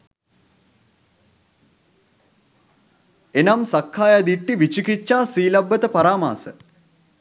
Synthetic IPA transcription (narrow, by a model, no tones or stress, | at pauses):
enɐmsɐkʰːaːjɐd̪iʈːiʋit͡ɕikit͡ʃːaːsiːlɐbːət̪əpɐɾaːma̰ːsə̰